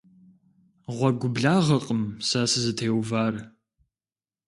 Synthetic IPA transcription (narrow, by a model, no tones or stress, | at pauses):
ʁʷɔɡʷʊbɮaːʁɐqʼəmsasɨzɨtʰeːwvaːr